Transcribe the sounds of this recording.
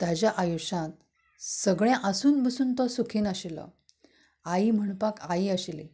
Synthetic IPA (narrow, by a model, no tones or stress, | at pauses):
t̪jat͡ɕjaʔajuɕãt̪̚ | səɡɭjãʔəsuːnbəsuːnt̪ɔsukʰiːnaɕilɔ̰ | aim̤əɳpakaiəɕilḭ